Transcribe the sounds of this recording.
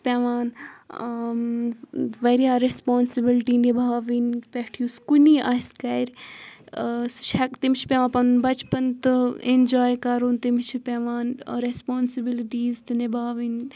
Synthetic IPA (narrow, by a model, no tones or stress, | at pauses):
pʲeʋaːn | ʋɐɾijaːɾespɔːnsibilʈiːnibʱaːʋiːnpeʈʰjuːskuniːʔaskɐɾʲ | sʃʰɐkt̪imt͡ʃʰi̥pʲeʋãːpɐnbɐt͡ʃpɐnt̪ɨend͡ʒaːjkɐɾuːnt̪imt͡ʃʰipeʋaːnɾespɔːnsibiliʈiːzt̪ɨnebʱaːʋiːn